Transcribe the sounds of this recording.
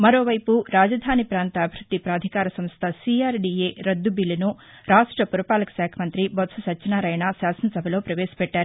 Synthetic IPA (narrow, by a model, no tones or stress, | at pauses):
mɐɾo̞ːʋɐjpuɾaːd͡ʒɐd̪ʱaːnipɾaːnt̪ɐːbʱɾud̪ːipɾaːd̪ʱikaːɾɐsɐmst̪ʰɐsiaːɾɖieɾɐd̪ːubilɐnu | ɾaːʂʈɾɐpuɾɐpaːlɐkɐʃaːkʰɐmɐnt̪ɾibɐt̪sɐsɐt͡ʃːt͡ʃːɐnaːɾɐjɐɳaːʃaːsɐnɐsɐbʱɐlo̞ːpɾɐʋeːsɐ̥pɛʈːaːɾu